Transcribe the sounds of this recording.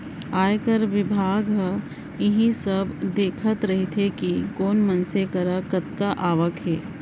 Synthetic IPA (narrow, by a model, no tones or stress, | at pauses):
aːjkɐɾʋɪbʱaːɡ | ɪɦĩsɐbd̪eːkʰət̪ɾɐɦit̪ʰekikoːnmɐnsekɐɾakɐt̪̚kaʔaːʋəkɦɛː